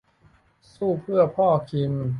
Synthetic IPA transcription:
suː˥˩pʰɯ˥˩ɐpʰɔː˥˩kʰi˧m

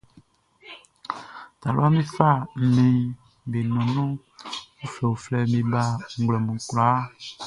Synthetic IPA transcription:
t̪a˨lo̰˦a˦me˦fa˦˨m̩˨mẽ˨ | be˨nɔ̃˨nɔ̃˦ | wo˦fɛ˨wo˨flɛ˦me˨ba˦˨ŋ̩˨ɡlɔ˨mũ˨kla˦

